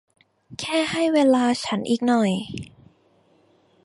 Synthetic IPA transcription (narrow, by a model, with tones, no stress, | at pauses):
kʰɛː˥˩ha˥˩jweː˧laː˧t͡ɕʰa˦˥nʔiː˨˩k̚nɔ˨˩j